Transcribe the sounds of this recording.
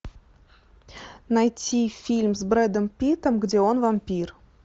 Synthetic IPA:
najtʲːifʲilʲmzbrɛd̪əmpʲit̪əmɡdʲeonvamʲpʲir

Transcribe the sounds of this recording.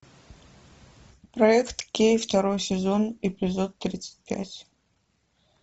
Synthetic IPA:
prɐɛkt̪kʲejft̪ɐɾojsʲɪzonepʲɪzot̪ːɾʲit̪sɨ̥t̚ʲpʲæ̰tʲ

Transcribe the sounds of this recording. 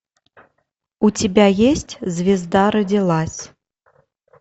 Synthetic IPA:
ut͡sʲɛbʲajesʲt͡sʲzʲvʲɛzd̪aɾɐd͡zʲilˠasʲ

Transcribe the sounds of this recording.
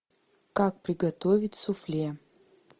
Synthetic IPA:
kak̚pɾʲɪɡɐt̪ovʲɪtʲsʊflʲe

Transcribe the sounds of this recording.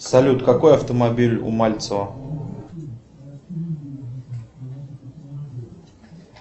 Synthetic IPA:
sɐlʲut̪kɐkojɐft̪əmɐbʲilʲʊ̰malʲt̪səvə

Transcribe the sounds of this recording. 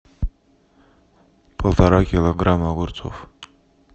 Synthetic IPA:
pʰəlˠt̪ʰɑɾɑkiloɡɾamaɡɔɾt͡sʰɔ̰v

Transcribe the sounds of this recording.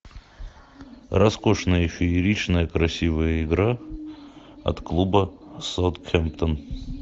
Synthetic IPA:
rɐskoʂnəjɪɕʲoiɾʲit͡ɕnəjəkɾɐsʲivəjəɪɡɾa | ɐ̰t̪klˠubəsawt̪kʰʲɛmpt̪ən

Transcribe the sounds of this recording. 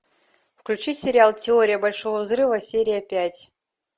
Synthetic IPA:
fklʲut͡ɕisʲeɾʲɪalˠtʲɪoɾʲɪjəbalʲʂovəvzrɨvəsʲeɾʲɪjəpʲætʲ

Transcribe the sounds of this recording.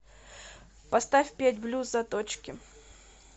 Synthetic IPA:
pɐst̪afʲpʲætʲblʲuzɐt̪ot͡ɕkʲɪ

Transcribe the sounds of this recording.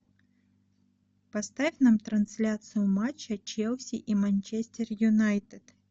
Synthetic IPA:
pɐst̪afʲnamt̪ɾɐnsʲlʲat̪sɨjʊmat͡ɕːɐt͡ɕelˠsʲiʔimɐnʲt͡ɕesʲtʲɪrjʊnajt̪ɨt̪

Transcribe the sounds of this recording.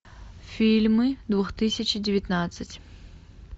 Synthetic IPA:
fʲilʲmɨd̪vuxt̪ɨsʲɨt͡ɕdʲɪvʲɪt̪nat̪sɨtʲ

